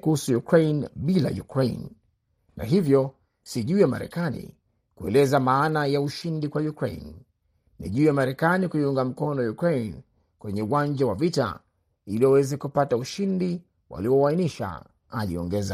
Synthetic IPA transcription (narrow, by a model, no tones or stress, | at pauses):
kuhusujukɾejnɓila̰jṵkɾenː | a̰ɦivjɔ | siʄuːjama̰ɾɛ̰kanḭ | kuɛ̰lɛzamaːnajauʃindikwajukɾḛjnː | ḭʄuːjamaɾɛkanikuiuŋɡam̩kɔnɔjukɾen | kwɛɲɛuwaɲd͡ʒawavita̰ | iliwawɛzɛkupatauʃindi | wʔa̰liɔwainiʃa̰ | alḭɔ̰ŋɡɛza